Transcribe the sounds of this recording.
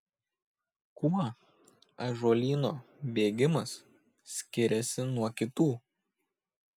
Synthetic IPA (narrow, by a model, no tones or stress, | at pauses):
kuɐ | ɐʒuːlʲiːnoːbʲeːɡʲɪmɐs | sʲkʲɪɾʲɛsʲɪnuɔkʲɪt̪uː